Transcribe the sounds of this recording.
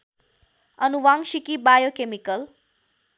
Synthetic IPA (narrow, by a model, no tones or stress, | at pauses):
ənuʋãŋʃikibajokemikəl